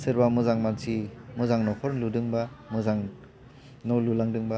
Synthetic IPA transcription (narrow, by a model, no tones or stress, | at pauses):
sɯɾbamuzaŋmansʰimuzaŋnɔkʰɔɾnludɯŋbamuzaŋ | nɔwlulaŋdɯŋba